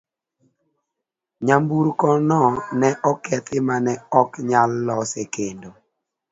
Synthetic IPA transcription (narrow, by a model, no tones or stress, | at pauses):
ɲambuɾkɔnɔnɛʔɔkɛt̪ɪmanɛɔkɲalːɔsekendo